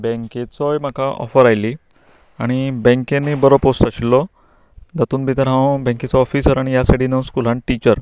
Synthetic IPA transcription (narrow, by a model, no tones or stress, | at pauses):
bɛ̃ŋket͡sɔjm̤akaʔɔ̰fəɾajli | aɽ̃ibɛ̃ŋkenːiːbəɾɔposʈ̪aɕilːɔ | d͡z̪at̪uːnbʱit̪əɾɦãwbɛ̃ŋket͡sɔɔfisəɾaɽ̃ijasaɽinəskulãɳʈit͡ɕəɾ